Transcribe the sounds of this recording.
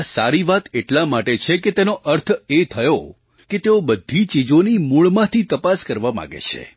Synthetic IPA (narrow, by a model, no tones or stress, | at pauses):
asaɾiʋat̪eʈlamaʈet͡ʃʰeket̪enoʔəɾt̪ʰet̪ʰəjo | ket̪eobəd̪ʱit͡ʃid͡ʒonimuɭmãt̪ʰit̪əpaskəɾʋamã̰ɡḛt͡ʃʰḛ